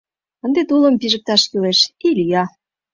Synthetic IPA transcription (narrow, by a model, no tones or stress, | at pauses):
ənd̪et̪ulə̆mpiʒə̆k̚t̪ɑʃkyleʃilʲijɑ